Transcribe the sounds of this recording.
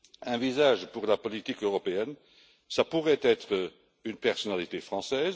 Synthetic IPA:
ɛ̃vizaːʒpuʁlapɔlit̪ikøʁɔpeɛn | sapuʁɛt̪ɛt̪χə | ynpɛʁsɔnalit̪efχɑ̃sɛːz

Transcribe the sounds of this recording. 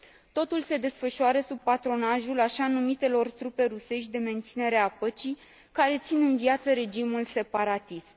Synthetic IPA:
t̪o̞t̪ulse̞d̪e̞sfəʃuaɾəsub̚pat̪ɾo̞naʒulaʃanumit̪e̞lo̞rt̪ɾupe̞ɾuse̞ʃt̪̚ʲd̪e̞me̞nt̪sine̞ɾe̞apət͡ʃij | kaɾe̞t̪sinɨnvjat̪səɾe̞d͡ʒimulse̞paɾat̪ist̪

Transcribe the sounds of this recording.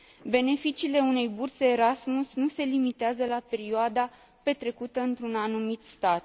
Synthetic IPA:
be̞ne̞fit͡ʃiːle̞une̞jburseːɾasmusnuse̞limit̪eazəlape̞ɾioad̪a | pe̞t̪ɾe̞kut̪əɨnt̪ɾunanumit̪st̪at̪̚

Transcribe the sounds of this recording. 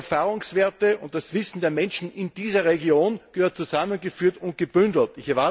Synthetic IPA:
ɐfaːʁʊŋsv̥eːɐtəʊnt̚d̥asv̥ɪsn̩deːɐmɛ̃nʃn̩ɪnd̥iːzɐʁeɡjoːnɡ̥əhøːɐt̚t͡suzamənɡəfyːɐtʊnt̚ɡ̥əb̥ʏndl̩tɪçɛɐva

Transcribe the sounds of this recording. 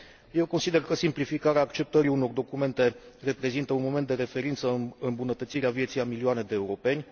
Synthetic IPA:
je̞wko̞nsid̪e̞rkəsimplifikaɾeaːkt͡ʃe̞p̚t̪əɾiuno̞rd̪o̞kume̞nt̪e̞re̞pɾe̞zint̪əunmo̞ment̪d̪e̞ɾe̞fe̞ɾint̪səɨmbunət̪ət̪siɾeavje̞t̪sijamilioane̞d̪e̞ːuɾo̞pe̞nʲ

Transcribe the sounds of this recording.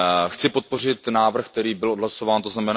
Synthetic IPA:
xt͡sɪpo̞t̪̚po̞r̝ɪt̪naːvr̩xkt̪ɛɾiːbɪlʔodlaso̞vaːnt̪o̞znamɛn

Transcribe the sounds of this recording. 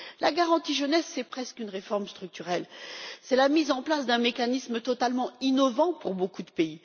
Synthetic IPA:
lʔaɡaʁɑ̃t̪iʒənɛsːɛpχɛskynʁefɔʁmst̪χyk̚t̪yʁɛlsɛlamizɑ̃plasd̪ɛ̃mekanismət̪ɔt̪almɑ̃inɔvɑ̃puʁbokud̪əpei

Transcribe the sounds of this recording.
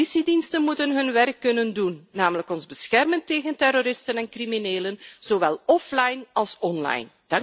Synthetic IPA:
isidinstənmutənɦɵnʋɛrkːɵnəndunːaːmələkɔnzbəsxɛrmənteːɣəntɛroːɾɪstənɛnkrimineːlənz̥oʋɛlˠɔflajnɑlˠsɔnla̰jn | d̥ɑ

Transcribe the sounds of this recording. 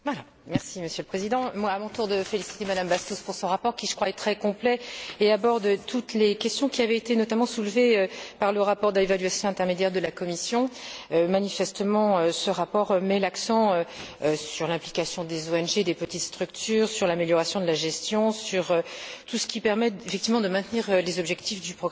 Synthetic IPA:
vala | mɛʁsiməsjøləpχezid̪ɑ̃mwaːmɔ̃t̪uʁd̪əfelisi̥t̪emad̪ambast̪ospuʁsɔ̃ʁapɔʁkʲiʒə̥kχwaɛt̪χɛkɔ̃plɛeabɔʁd̪t̪ʰut̪lekʲɛst̪jɔ̃kʲiavɛet̪enɔt̪amɑ̃sulveøpaʁləʁapɔʁd̪əlevalɥasjɔ̃ɛ̃t̪ɛʁmed̪jɛʁd̪əlakɔmisjɔ̃ømanifɛst̪əmɑ̃øsəʁapɔʁmɛlaksɑ̃øsyʁlɛ̃plikʲasjɔ̃d̪ezoɛnʒed̪epət̪it̪st̪χyk̚t̪ʰyːʁsyʁlameljɔʁasjɔ̃d̪əlaʒɛst̪jɔ̃syʁøt̪usə̥kʲipɛʁmɛefɛk̚t̪ivmɑ̃d̪əmɛ̃t̪niʁølezɔbʒɛkt̪ifd̪ypχɔɡʁa

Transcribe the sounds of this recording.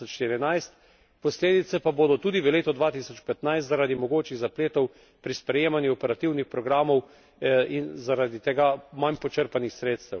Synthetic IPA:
ɔt͡ʃʃt̪iɾinajst̪ | pɔsleːd̪it̪sɛpaboːd̪ɔt̪uːd̪iʋəleːt̪ɔd̪ʋaːt̪isɔt͡ʃpɛt̪najst̪zaɾad̪imɔɡoːt͡ʃiɣzapleːt̪ɔw | pɾispɾɛjeːmanjuɔpɛɾat̪iwnixpɾɔɡɾaːmɔw | inzaɾad̪it̪ɛɡamanpɔt͡ʃəɾpanixsɾeːt̪st̪ɛw

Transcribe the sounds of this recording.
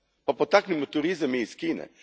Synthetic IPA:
papɔt̪aːknimɔt̪uɾizamiːskiːnɛ̰

